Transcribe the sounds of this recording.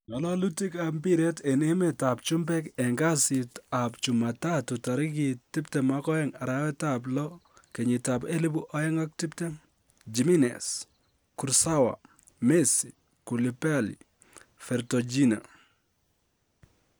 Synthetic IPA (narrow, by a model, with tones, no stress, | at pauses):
ɲɔ˨lɔ˦lu˦ti˦ka˨mbi˦ɾe˦te˨ne˦me˨ta˨pt͡ʃʊ˦mbɛ˦kɛ˨ŋɡa˦sɪ˨ta˨pt͡ʃu˨ma˨ta˦tʊ˨ta˨ɾɪ˦ki˨tɪ˦p̚tɛ˨ma˦kɔ˦ɛ˦ŋa˨ɾa˦wɛ˦tablɔ˦ke˨ɲi˨ta˨pe˦li˦bu˦ʔɔ˦ɛ˦ŋa˦k̚tɪ˦pte˦ | d͡ʒi˨mi˦nɛ̰˨s | ku˨ɾsa˦wa̰˨ | me˦si˨ | ku˨li˨pa˦lḭ | fɛ˨ɾtɔ˨d͡ʒi˦na̰˨